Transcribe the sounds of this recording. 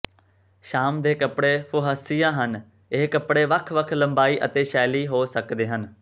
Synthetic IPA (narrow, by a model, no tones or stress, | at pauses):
ʃaːmd̪eːkəpɽeːpʰʊɦəsijãːɦən | ɪːkəpɽeːʋəkʰʋəkʰləmbaːiːʔət̪eːʃɛːliːɦoːsəkd̪eːɦən